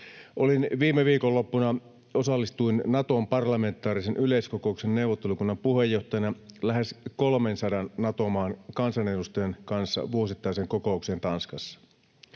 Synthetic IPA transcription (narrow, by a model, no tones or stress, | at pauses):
ʔolinʋiːmeʋiːkolːo̞pːunɑ | o̞sɑlːist̪uinnɑt̪ompɑrlɑme̞nt̪ːˑɑːɾisenʔyleiskoko̞uksenne̞uwʋːˑot̪ːe̞lukunːɑmpuhe̞jːo̞ht̪ɑjɑnɑlæɦeskolmensɑdɑnːɑt̪o̞mɑːnkɑnsɑne̞dust̪ojenkɑnsːɑ̰ʋuosit̪ːɑiseːŋko̞ko̞ukse̞ːnt̪ɑnskɑsːɑ̥